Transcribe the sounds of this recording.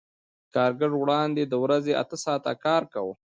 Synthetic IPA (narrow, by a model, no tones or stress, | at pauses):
kɑːɾɡəʐwɽɑnd̪ed̪əwɾazea̰t̪əsɑːt̪a̰kɑːɾkawu